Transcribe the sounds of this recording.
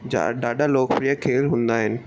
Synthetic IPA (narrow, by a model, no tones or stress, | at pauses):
d͡ʑa̰ɗaːɗaloːkpɾijəkʰeːlɦũːnd̪aːɦɪnɪ̆